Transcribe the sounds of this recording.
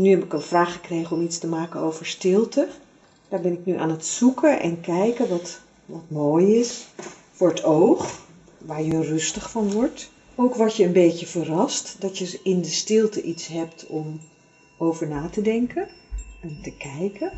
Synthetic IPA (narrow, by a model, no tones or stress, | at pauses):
nyɦɛpɪkənv̥raːχəkrejχəɔmitstəmaːkənowvəɹstɪlˠtə | d̥aːɹbɛnɪknyʔaːnətsukəʔɛ̰nkɛjkəʋɑt | ʋɑtmoːjɪs | fʊːɹətʰowχ | ʋaːɹjərɵstəχfɑnʋɔɹt | owkʋɔɹtjəːnbejtəvərɑstdɑtjəɪndəstɪlˠtəʔitsɦɛptʰɔm | owvəɹnaːtədɛŋkʰəɛntəkɛjkə